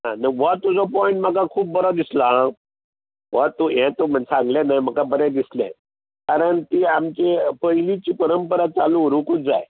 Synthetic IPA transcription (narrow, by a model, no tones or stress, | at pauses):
ɦãnəʋat̪ːud͡zɔpɔĩɳʈm̤akakʰuːb̚bəɾɔd̪islã | ʋɔt̪ːujɛ̃t̪om̤ənsãŋɡlanajm̤əkabəɾɛ̃d̪islɛ̰̃ | kaɾəɳt̪iamt͡ɕepəɦilit͡ɕiːpəɾəmpəɾat͡salũɾũkud͡za̰j